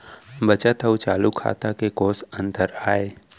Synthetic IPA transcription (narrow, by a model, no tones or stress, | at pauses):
bət͡ʃət̪əwt͡ʃaːlukʰa̰ːt̪akekoːsə̃nt̪əɾaːeː